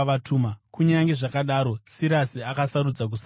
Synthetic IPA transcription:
ʋatʰuːmakuɲaŋɡe̞ʐakaɗaːɾo̞siɾasiakasaɾud͡zak̬usa

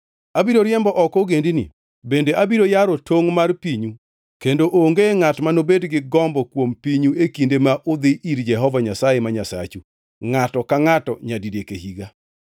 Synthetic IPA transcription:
abiɾoɾjɛmbɔʔɔkoɡendinḭ | bendeʔabiɾojaɾotʰoŋmarpiɲu | kendoʔoŋɡeŋatmanobedɡɪɡɔmbɔkwompiɲuekindemaʔʊd̪ɪʔiɾd͡ʒɛɦɔvaɲasajemaɲasa̰t͡ʃu | ŋatɔkaŋatɔɲadidekehiɡa

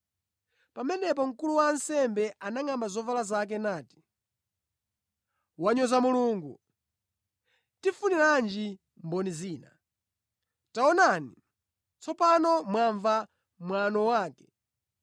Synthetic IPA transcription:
pamɛnɛp̬ɔŋ̩kuluwaːnsɛmbɛʔanaŋambazɔvalazak̬ɛnaːti̥ | waɲɔzamuluːŋɡu | tifuniland͡ʒi | mbɔniziːna | taɔnani | t͡sʰɔpanɔmwaɱva | mwanɔwaːkɛ̥

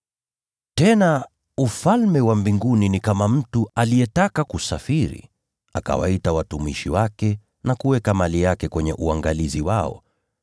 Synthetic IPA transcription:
tɛna | ufalmɛwambiŋɡuninikamam̩tualijɛtakakusafiɾḭ | aka̰wa̰itawatumiʃiwakɛ | nakuwɛkamalijakɛkwɛɲɛʔuaŋɡaliziwaɔ̰

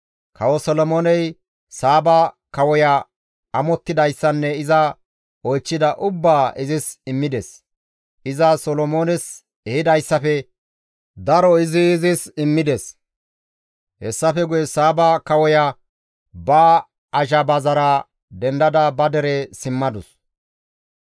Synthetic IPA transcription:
kɐwɔsɔlɔmoːnɛj | saːbɐ | kɐwɔjɐ | ɐmɔt̪ːɪd̪ɐjsːɐnːɛɪzɐ | ɔjt͡ʃːɪd̪ɐʔʊbːaːʔɪzɪsɪmːɪd̪ɛs | ʔɪzɐsɔlɔmoːnɛs | ɛhɪd̪ɐjsːɐfɛ | d̪ɐɾɔɪzɪːzɪsɪmːɪd̪es | hɛsːɐfɛɡʊjɛsaːbɐkɐwɔjɐ | bɐ | ɐʒɐbɐzɐɾɐ | d̪ɛnd̪ɐd̪ɐbɐd̪ɛɾɛsɪmːɐd̪ʊs

